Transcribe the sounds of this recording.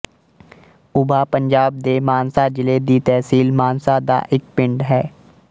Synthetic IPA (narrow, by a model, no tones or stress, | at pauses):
ʊbʱaːpəɲd͡ʒaːb̚d̪eːmaːnsaːd͡ʒɪleːd̪iːt̪ɛːsiːlmaːnsaːd̪a̰ːʔɪk̚pɪɳɖɦɛː